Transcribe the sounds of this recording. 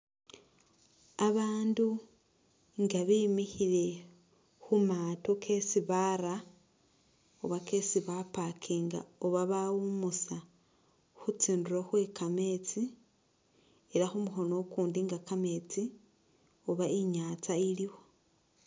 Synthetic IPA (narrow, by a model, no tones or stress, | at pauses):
aβaːndu | ŋɡaβimixiɾe̞ | xumatokʰe̞siβaɾa | oβake̞siβapakʰiŋɡa̰oβaβaumusa | xut͡siːnduɾoxwe̞kame̞t͡si | eɾaxumuxo̞no̞kuːndiŋɡakame̞t͡si | oβaiɲat͡sailiwo̞